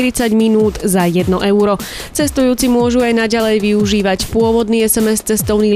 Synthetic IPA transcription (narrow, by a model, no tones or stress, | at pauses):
iɾit͡saɟminuːd̪zajɛd̪nɔʔɛʊɾɔ | t͡sɛst̪ujuːt͡simʊɔʒuajnaɟalɛjʋiuʒiːʋacpʊɔʋɔd̪niːɛsɛmɛst͡sɛst̪ɔʊniː